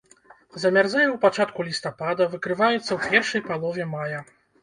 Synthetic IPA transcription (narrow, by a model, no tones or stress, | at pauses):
zɐmʲardzajɛwpat͡ʂat̪kulʲist̪apad̪ɐvɨkɾɨvajɛt̪sːɐwpʲɛrʂɐjpalˠɔvʲɛmajɐ